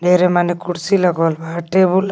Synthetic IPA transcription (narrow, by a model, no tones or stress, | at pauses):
ɖʱeɾemanikuɽsiləɡɔlbaʈebul